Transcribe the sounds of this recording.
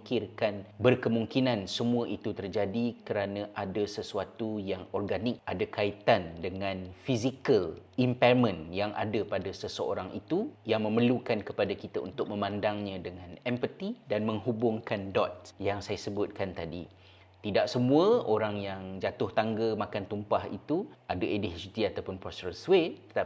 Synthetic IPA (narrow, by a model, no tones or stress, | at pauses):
kɪrkanbərkəmuŋkinãnsəmuəʔit̪ut̪ərd͡ʒadikəɾanãʔadasəsuat̪ujaŋɔrɡanɪk̚ʔadakait̪andəŋãnfizikəlimparmə̃njaŋʔa̰dapadasəsəo̰ɾaŋʔit̪ujaŋmə̃mərlukankəpadakit̪aṵnt̪ʊk̚məmãndaŋɲãdəŋãnɛmpət̪idanmə̃ŋɦubʊŋkandɔt̪̚jaŋsajasəbʊt̪̚kant̪adḭ | t̪idaʔsəmũəoɾaŋjaŋd͡ʒat̪ʊht̪aŋɡamakant̪umpahḭt̪uadaʔedist̪iat̪awpʊnpɾɔst̪ɾəswet̪ə̥t̪a